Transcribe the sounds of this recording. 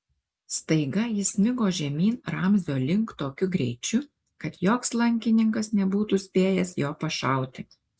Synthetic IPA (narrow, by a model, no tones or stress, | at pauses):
st̪ɐɪɡɐjɪsʲmʲɪɡoːʒʲɛmʲiːnɾɐmʲzʲoːlʲɪŋkt̪oːkʲʊɡɾʲɛɪt͡ʃʲʊ | kɐt̪joːkslˠɐŋʲkʲɪnʲɪŋkɐsnʲɛbuːt̪usʲpʲeːjɛsjoːpɐʃɑˑʊt̪ʲɪ